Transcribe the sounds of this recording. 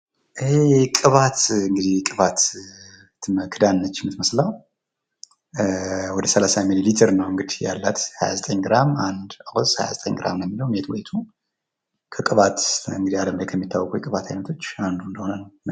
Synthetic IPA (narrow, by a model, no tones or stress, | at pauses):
ʔɨhekʼɨβat̪ɨŋɡɨd̪ihkʼɨβat̪ | mkʰɨd̪anːət͡ʃːmːɨt̪məslaw | wɔd̪əsəlasamililit̪ʰɨɾnəwɨŋɡɨd̪ija̰lːat̪ha̰ja̰zət̪ʼəɲɡɨɾamand̪əwɔsha̰ja̰zət̪ʼə̰ɲɡɨɾa̰mnwjɛmːiləwmet̪wet̪ʰu | kʰəkʼɨβat̪ɨŋɡɨd̪ihaləmbəjkʰəmːit̪ʰːawːɔkʼujɛkʼɨβat̪hajnət̪ʰo̞t͡ʃːand̪und̪əho̞nənəwn